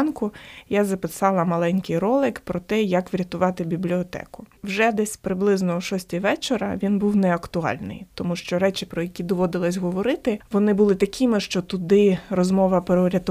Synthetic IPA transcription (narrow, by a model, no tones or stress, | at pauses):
nkʊjazɐpɪsɑlˠɐmɐlˠɛnʲkɪjɾɔlˠɪkpɾɔt̪ɛjɐkʋɾʲɐt̪ʊʋɑt̪ɪbʲiblʲiɔt̪ɛ̰kʊwʒɛd̪ɛsʲpɾɪblˠɪznɔʃɔsʲtʲiʋɛt͡ʃeɾɐ̰ʋʲinbuwnɛɐkt̪ʊɑ̰lʲnɪ̰jt̪ɔmuʃt͡ʃɔɾɛt͡ʃɪpɾɔjɐkʲid̪ɔʋɔd̪ɪlˠɐsʲɦɔʋɔɾɪt̪ɪʋɔnɪbʊlˠɪt̪ɐkʲʰɪmɪʃt͡ʃɔt̪ʊd̪ɪrɔzmɔʋɐpɾɔʋɾʲɐt̪ʊ